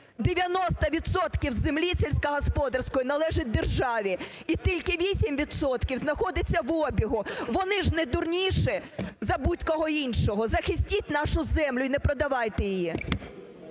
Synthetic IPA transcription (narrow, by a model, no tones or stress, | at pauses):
d̪eʋʲjɐnɔst̪ɐʋʲid̪sɔt̪kʲiwzːemlʲisʲɛlʲsʲkɐɦɔspɔd̪ɐrsʲkɔjʊnɐlˠɛʒɪt̚ʲd̪erʒɑʋʲi | it̪ʲilʲkɪʋʲisʲimʋʲid̪sɔt̪kʲiwznɐxɔd̪ɪt͡sʲːɐʋɔbʲiɦʊʋɔnɪʒnɛd̪ʊrnʲiʃɛzɐbutʲkɔɦɔinʃɔɦɔzɐxɪsʲtʲitʲnɑʃʊzɛmlʲʊinɛpɾɔd̪ɐʋɑjt̪ɪjɪji